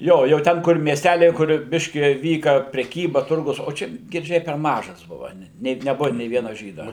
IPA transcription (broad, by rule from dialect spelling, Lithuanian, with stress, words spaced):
ˈjoː jɛʊ ˈtʲɛn kʊr mʲiɛˈsʲtʲælʲɛɪ kʊr ˈbʲɪʃʲkʲɪ ˈʋʲiːkɐ pʲrʲɛˈkʲiːbɐ ˈtʊrɡʊs oː ˈt͡ʃʲɛ ɡʲɪrʲˈd͡ʒʲɛɪ pʲɛr ˈmɑːʒɐs ˈbʊʋɐ nʲɛt nʲɛˈbʊʋɐ nʲeː ˈʋʲiɛnɐ ˈʒʲiːdɐ